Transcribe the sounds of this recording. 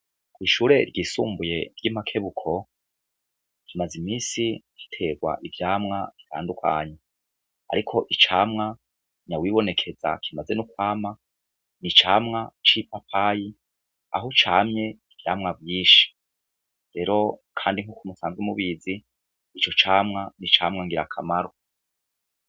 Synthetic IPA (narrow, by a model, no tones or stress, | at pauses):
kwiːʃuːɾe̞ɾɟiːsṵːmbuje̞ɾɟimakʰe̞βukʰo̞ | kimazimiːsiki̥tʰe̞ɡwa̰ʔivjaːmŋaβi̥tʰa̰ːndukʰa̰ːɲe | a̰ɾikʰo̞ʔit͡ʃaːmŋa | ɲawiβo̞ne̞kʰe̞za̰kʰimaze̞nukwaːma | nit͡ʃaːmŋat͡ʃipapʰaji | a̰ɦut͡ʃaːmɲe̞ivjaːmŋavjiːʃi̥ | ɾe̞ɾo̞kʰaːndiŋhukumusaːnzwemuβiziː | t͡ʃo̞t͡ʃaːmŋanit͡ʃaːmŋaŋɡiɾakʰamaɾo